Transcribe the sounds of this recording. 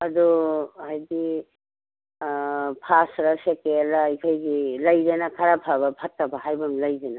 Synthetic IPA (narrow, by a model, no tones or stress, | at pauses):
ɐduɦajdi | pʰasɾasekelaːjkʰajɡilajdenakʰaɾapʰabapʰat̚ːabaɦajbɐmlajdena